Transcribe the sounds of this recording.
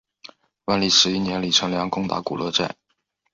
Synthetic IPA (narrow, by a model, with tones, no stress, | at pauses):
wa˥˧nli˥˩ʂɻ̩˧˥i˥˩njɛ˧˥nli˨˩ʈ͡ʂʰɤ˧˥ŋljɑ˧˥ŋkʊ˥ŋt̪a̰˧˥ku˨˩lʔɤ˥˧ʈ͡ʂa̰˥˩ɪ